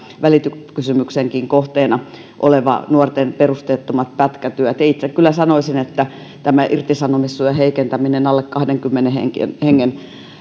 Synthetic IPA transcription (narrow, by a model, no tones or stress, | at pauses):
ʋælit̪ykysymykseŋkiŋkoht̪eːnɑ | ʔo̰leʋɑ̰nuort̪enperust̪eːt̪ːomɑt̪̚pæt̪kæt̪yæt̪eit̪sekkylːˑæsɑnoisinet̪ːæ | t̪æmæʔirt̪isɑnomisːujeheikent̪æminenɑlːekkɑhdeŋkymːenehḛŋkḛnheŋːen